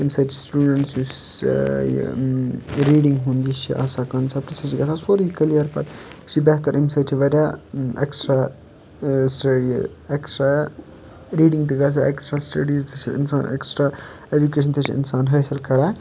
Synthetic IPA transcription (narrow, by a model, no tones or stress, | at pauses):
emsɐʈʰisʈjuːɖeɳʈsus | ɾiːɖiŋɡɦund̪it͡ʃʰḭʔɐ̰sakɐnsʰɐpɾisɐt͡ʃiɡɐt͡sʰasoɾikɐlijɐɾpɐt̪t͡ʃʰibeɦt̪ɐɾʔemsɐʈʰiʋɐɾʲjaeksʈɾa | sʈɐi | eksʈɾa | ɾiːɖiŋt̪iɡɐt͡sʰaeksʈɾasʈɐɖiːzt̪ʰet͡ʃʰiḭnsaːnḛksʈɾa | ed͡ʒukeːʃ̬ʰɐnt̪ʰet͡ʃʰiḭnsaːnɦɐːsɐlkɐɾaj